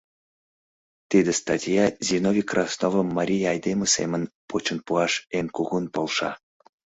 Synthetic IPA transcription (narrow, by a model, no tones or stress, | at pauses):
t̪id̪est̪ɑtʲjɑzʲinovʲikrɑsnovəmːɑɾʲijɑjd̪eməsḛmənpʰot͡ɕənpuɑʃenkuɣunpolˠʃɑ̰